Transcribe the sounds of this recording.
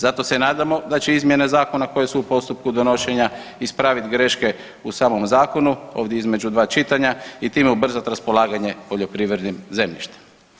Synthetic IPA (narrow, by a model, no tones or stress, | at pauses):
zat̪o̞se̞naːd̪amo̞d̪at͡ɕeizmje̞ne̞zaːko̞nako̞je̞suupo̞st̪up̚kud̪o̞no̞ʃe̞ɲaispɾaːʋit̪ɡɾe̞ʃke̞ | usaːmo̞mzaːko̞nuo̞ːʋd̪ʲjeizme̞d͡ʑud̪ʋaːt͡ʃit̪aɲait̪iːmeubr̩zat̪ɾaspo̞laːɡaɲe̞po̞ʎo̞pɾiːʋɾed̪nimze̞mʎḭʃt̪e̥m